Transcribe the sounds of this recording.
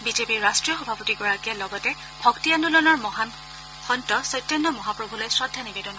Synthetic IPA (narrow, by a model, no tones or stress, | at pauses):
bizepiɹɹastɹijɔxɔbʱapotiɡɔɹakijalɔɡɔtɛ | bʱɔktiandulɔnɔɹmɔɦan | xɔntɔsɔjtjɔnːɔmɔɦapɹobʱulojsɹɔdʱːjanibedɔnɔ